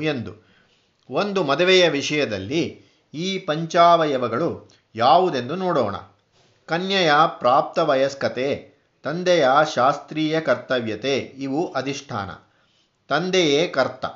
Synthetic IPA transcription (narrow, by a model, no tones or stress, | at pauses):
e̞nd̪u | o̞nd̪umɐd̪ɐʋɛjɐʋiʂɐjɐd̪ɐlːi | iːpɐɲt͡ʃaːʋɐjɐʋɐɡɐɭu | jaːʋud̪e̞nd̪unoːɽɔ̰ːɳɐ̰ | kɐnjɐjapɾaːp̚t̪ɐʋɐjɐskɐt̪eː | t̪ɐnd̪ɛjaʃaːst̪ɾiːjɐkɐɾt̪ɐʋjɐt̪eːiʋuʔɐd̪ʱiʂʈʰa̰ːnɐ̰ | t̪ɐnd̪ɛjeːkɐɾt̪ɐ̰